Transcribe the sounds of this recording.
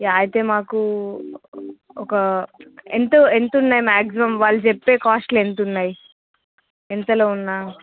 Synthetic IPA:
jaːɐjit̪eːmaːku | ɔkɐent̪oent̪unːaːjmaːksimɐmʋaːɭːut͡ʃepːe̞ːkaːsʈlent̪unːaːj | ent̪ɐloːunːaː

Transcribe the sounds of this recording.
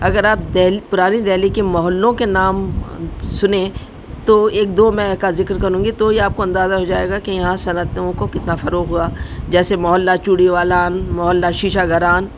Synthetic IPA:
ɐɡəɾaːp̚d̪ɛːlipʊɾaːnid̪ɛɦlikemɔɦɔlːõkenaːm | sʊnẽ | t̪oeːk̚d̪oːmɛ̃kazɪkɾkɐɾũːŋɡit̪ojeaːp̚koɐ̃nd̪aːzaɦod͡ʒaːeːɡakejɐɦãsɐnət̪õkokɪt̪nafɐɾoːɣɦuaːd͡ʒɛːsemɔɦɔːlːat͡ʃuːɽiʋaːlaːnmɔɦɔlːaʃiːʃaɡɐɾaːn

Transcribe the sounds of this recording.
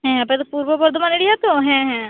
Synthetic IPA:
ɦɛ̃pɛt̪opuːɾʋəbəɾd̪ʊmaːnɪɽijat̪õɦɛ̃ːɦɛ̃ː

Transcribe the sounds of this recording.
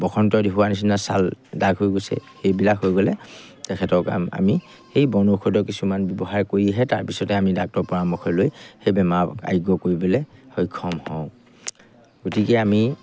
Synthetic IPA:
bɔxʰɔntɔdiɦuwanis̬inasa̰ldaɡɦojɡojsɛ̰hejbilakɦojɡɔlɛ | tɛkʰɛtɔka̰ma̰mi | hejbɔnukʰɔjdɔkisumanbɔbɔɦaɹkoɹiɦɛtaɹpisɔtɛamidak̚tɔpɔɹamɔkʰɔjlojhejbɛmaa̰jɡɔkoɹibɔlɛhɔjkʰɔmhɔʊ̃ | ɡ̥otikɛami

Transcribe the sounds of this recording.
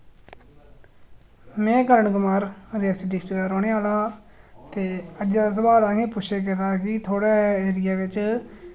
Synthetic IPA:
mɛ̃ːkəɾəɳɡʊmaːɾɾɛːsɪɖɪd̪aːɾoːɽeːaːlaː | t̪eːəd͡ʒd͡ʒaːs̬əbaːlãːɡẽːpʊʃʰeːk̬ɪt̪aːkɪt̪ʰoːɽaːeːɾɪjaːʋɪt͡ʃ

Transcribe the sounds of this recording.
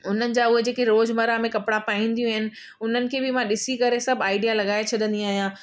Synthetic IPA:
ʊn̤ənɪ̆d͡ʑaːʊɦed͡ʑeːkeɾoːd͡ʑmɐɾamẽkɐpɽapaːĩːn̆d̪ijũaɦɪnɪ̆ | ʊn̤ənɪ̆kʰeːbɪmãɗɪsikɐɾesɐbʱaːɪɖijalɐɠaːet͡ɕʰɐɗ̪ə̃nd̪iaːɦijãː

